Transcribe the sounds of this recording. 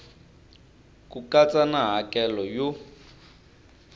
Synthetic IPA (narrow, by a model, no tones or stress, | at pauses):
kukat͡sʼanaɦakʼɛlɔjo